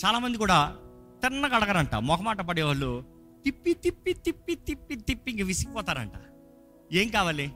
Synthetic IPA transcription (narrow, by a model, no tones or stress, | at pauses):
t͡ʃaːlaːmɐnd̪ikuːɽaː | t̪ɪnːɐɡɐɽɐɡɐɾɐɳʈa̰ːmɔkɐmaːʈɐp̬ɐɽeːʋaːɭːu | t̪ipːit̪ipːit̪ipːit̪ipːit̪ipːiŋɡɐʋisikpɔːt̪aːɾɐ̰ɳʈa̰ː | eːŋkaːʋaːli